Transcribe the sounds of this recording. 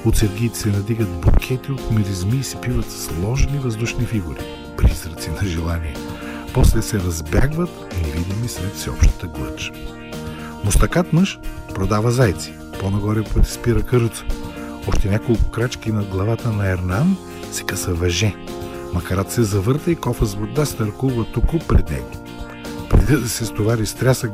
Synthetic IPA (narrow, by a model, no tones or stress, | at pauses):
ot̪sɛɾɡiːt̪ɛ̥sɛnɐd̪iɡət̪̚bo̰kʲʰɛt̪iot̪mɛd̪izmiːsɛpivət̪slˠɔʒnivɐzd̪uʃnifiɡuɾi | pɾizɾət̪sinɐʒɛlˠaniɛ | pɔslɛsɛɾɐzbʲja̰ɡvət̪nɛvid̪imisɾɛt̪fsɛɔpʃt̪ə̥t̪əɡlˠə̰t͡ʃ | mʊst̪ɐkat̪məʃpɾod̪avəzajt̪si̥ | ponɐɡɔɾɛpot̪ɛ̥spiɾəkəɾt̪sə̥ | ɔʃt̪ɛnʲakolˠkʊ̥kɾat͡ʃkinɐɡlˠɐvat̪ənɐɛɾnan | sɛ̥kasəvɐʒɛ | mɐkɐɾat̪sɛzɐvɤɾt̪əikɔfɐzvoɾd̪ast̪ɐɾkuvət̪upʊpɾɛ̰d̪nɛ̰ɡo | pɾɛ̰d̪id̪ɐsɛst̪ovaɾist̪ɾʲasə